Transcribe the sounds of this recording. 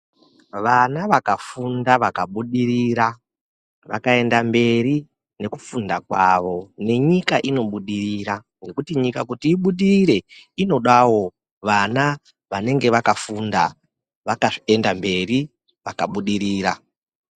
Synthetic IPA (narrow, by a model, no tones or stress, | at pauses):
ʋanaʋakafundaʋakaɓuɗiriɾa | ʋa̰kae̞ndambe̞ri | ne̞ku̥fundakwaʋo̞ne̞ɲikaʔino̞ɓuɗiriɾaŋɡe̞kutiɲikakutiːɓuɗiriɾe̞ino̞ɗawo̞ | ʋana | ʋane̞ŋɡe̞ʋakafunda | ʋakaʐiendambe̞ri | ʋaka̰ɓuɗiɾiːɾa̰